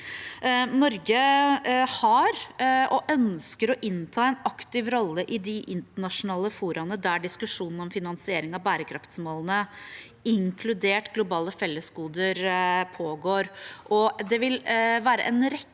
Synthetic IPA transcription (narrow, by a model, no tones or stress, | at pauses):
nɔɾɡə | hɑɾʔɔʔœnskəɾɔʔɪnt̪ʰɑːɛnɑkt̪ɪʋɾɔlːəʔɪd̪ɪʔɪnt̪əɳɑʂʊnɑːləfuːɾɑnəd̪æɖɪskʉʂuːnn̩ɔmfɪnɑnsɪeːɾɪŋɑbæːɾəkʰɾɑft̪smɔlənə | ɪŋkʰlʉd̪eːʈɡlʊbɑːləfɛlːəskuːd̪əɾpʰoːɡoːɾʔɔd̪ɛʋɪlʋæːɾə̰ʔɛnɾɛ